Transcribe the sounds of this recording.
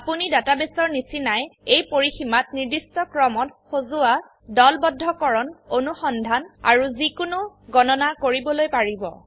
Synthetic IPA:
apunidatabesɔɹnisinajejpoɹiximat̚niɹdistɔkɹɔmɔtxozua | dɔlbɔdʱːɔkɔɹɔnonuxɔndʱana̰ɹuzikʊnʊɡɔnɔnakoɹibɔlojpaɹibɔ̰

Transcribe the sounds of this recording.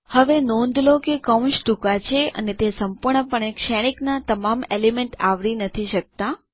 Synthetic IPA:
həʋenõnd̪lokekə̃w̃ʃd̪ukat͡ʃʰeə̰net̪esəmpuɾɳəpəɳekʃɛɽ̃iknat̪əmamelimẽɳʈaʋɾinət̪ʰiʃək̚t̪a

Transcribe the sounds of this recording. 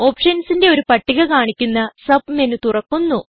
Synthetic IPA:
o̞ːpʂɐnsinde̞o̞ɾupɐʈːiɣɐkaːɳikʲːunːɐsɐb̚menut̪urɐkːunːu

